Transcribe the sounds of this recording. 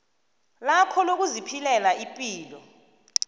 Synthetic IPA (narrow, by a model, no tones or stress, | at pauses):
lakʰɔlok̬uzipʰilɛlaipʼiːlɔ